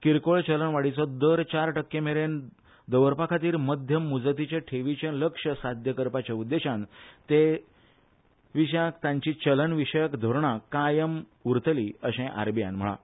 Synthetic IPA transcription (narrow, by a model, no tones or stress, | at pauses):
kiɾkoɭt͡ɕələnʋaɽit͡sɔd̪əɾt͡ɕaɾʈəkːemeɾen | d̪əʋəɾpakʰat̪iːɾməd̪ʱjəmːud͡zət̪it͡ɕeʈʰeʋit͡ɕẽnləkʂəsad̪ʱjəkəɾpat͡ɕaud̪ːeɕãnt̪e | ʋiɕjakt̪ãɲt͡ɕiːt͡ɕələnʋiɕəjəkd̪ʱoɾɳakajəm | uɾt̪əliːəɕẽʔa̰ɾbijã̰nm̤əɭa̰